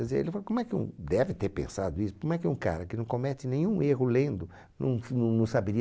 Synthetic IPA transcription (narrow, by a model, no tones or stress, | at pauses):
kɛzeḛlɪfalkõmʊɛkɪṵ̃d̪ɛvɪt̪eɾpḛ̃sad̪ʊisʊ̥komʊɛkɪũka̰ɾɐkɪnɐ̃w̃kõmɛt̪ɪnẽɲ̃ũeɦʊlẽnd̪ʊ | nɐ̰̃w̃nɐ̃w̃nɐ̃w̃sabeɾi